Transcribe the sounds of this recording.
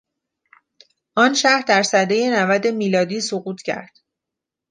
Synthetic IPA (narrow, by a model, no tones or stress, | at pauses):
ʔɒːnʃæhɾd̪æɾsæd̪eje̞nævæd̪e̞miːlɒːd̪iːsoɣuːt̪ʰcʰæ̰ɾd̪̥